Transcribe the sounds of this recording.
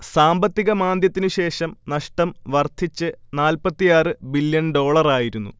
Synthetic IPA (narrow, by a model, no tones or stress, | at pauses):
saːmbɐt̪ːiɣɐmaːnd̪jɐt̪ːinɨɕe̞ːʂɐmnɐʂʈɐmʋɐrt̪ʰit͡ɕːɨnaːlpɐt̪ːijaːrɨbiljɐnɖo̞ːɭɐraːjiɾunːṵ